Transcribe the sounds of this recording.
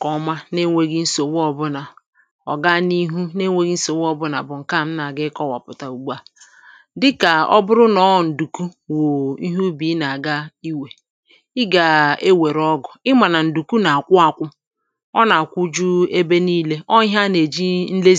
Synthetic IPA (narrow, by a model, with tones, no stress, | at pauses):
kɔ˨˦ma˦ne˦ŋʷe˦ɡi˦n̩˦so˨wɔ˨bʊ˦na˨ | ɔ̰˨ɡa˦ni˦ɦu˦ne˦ŋʷe˦ɡi˦n̩˦so˨wɔ˨bʊ˦na̰˨bʊ˨ŋ̩˨ka˦˨m̩˦na˨ɡɪ˦kɔ˦wa̰˨pʊ˨ta˨u˨ɡ͡ba˦ | dɪ˦ka˨ɔ̰˦bʊ˦ɾʊ˦nɔ˨˦˨n̩˨du˨ku˦ | wo˨i˦ɦu˦bi˨˦na˨ɡa˦i˦we˨ | ɪ˦ɡa˨e˦we˨ɾɔ˦ɡʊ˨ɪ˦ma˨na˨n̩˨du˨ku˦na˨a˨kʷʊ˦a˨kʷʊ˦ | ɔ˦na˨kʷu˦d͡ʒu˦e˦be˦niː˦le˦ʔɔ˦ɦa˦ne˨d͡ʒi˦n̩˦le˦